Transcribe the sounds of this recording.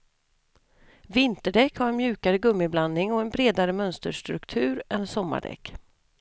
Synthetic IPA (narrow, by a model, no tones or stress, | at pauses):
vɪnt̪əɖɛkːhaɾɛnmjʉ̟ːkaɾəɡɵmːɪbland̪nɪŋɔɛnbɾeːd̪aɾəmœnst̪əʂt̪ɾɵkt̪ʰʉ̟ːɾɛnsɔmːa̰ɖɛ̰kː